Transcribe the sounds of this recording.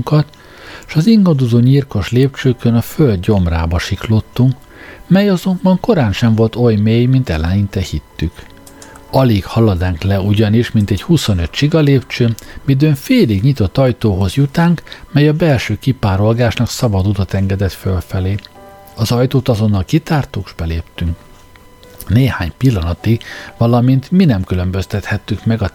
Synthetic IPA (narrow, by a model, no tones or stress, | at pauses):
ŋkɒt̪ | ʃɒziŋɡɒd̪ozoːɲirko̞ʃleːp̚t͡ʃøːkønɒføld̪ɟo̞mraːbɒʃiklot̪ːuŋk | mɛjɒzo̞mbɒŋko̞ɾaːnʃɛɱvo̞lt̪o̞jmeːjmint̪ɛ̰lɛnint̪ɛhit̪ːyk | ɒliːkhɒlɒd̪aːŋklɛuɟɒniʃmint̪ɛchusonø̞t̪t͡ʃiɡɒleːpt͡ʃøːmid̪øɱfeːliɡɲit̪o̞t̪ːɒjt̪oːɦo̞zjut̪aːŋkmɛjɒbɛlʃøːkipaːɾo̞lɡaːʃnɒksɒbɒd̪ut̪ɒt̪ɛŋɡɛd̪ɛt̪følfɛleː | ɒzɒjt̪oːt̪ɒzo̞nːɒlkit̪aːrt̪ukʒbɛleːpt̪yŋk | neːhaːɲpilːɒnɒt̪iʋɒlɒmint̪minɛmkylø̞mbø̞st̪ɛt̪hɛt̪ːykmɛɡɒ